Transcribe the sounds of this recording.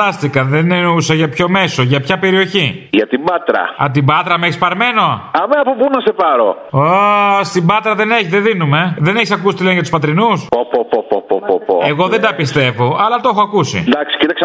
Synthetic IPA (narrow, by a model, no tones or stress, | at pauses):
ɐst̪ikɐðenneusɐʝɐpço̞me̞so̞ʝɐpçɐpe̞ɾio̞çiʝɐt̪ibɐt̪ɾɐ̰ɐ̰t̪ibɐt̪ɾɐmeçispɐɾme̞no̞ɐmenɐpubunɐsepɐɾo̞̰ | ost̪ibɐt̪ɾɐðe̞ne̞çiðeðinume̞ðe̞neçisɐkusit̪ilenʝjɐt̪u̥spɐt̪ɾinusopopopopopopo̰eɣo̞ðend̪ɐpist̪e̞vo̞ʔɐlɐt̪o̞xo̞ɐkusḭd̪ɐksi̥cit̪ɐks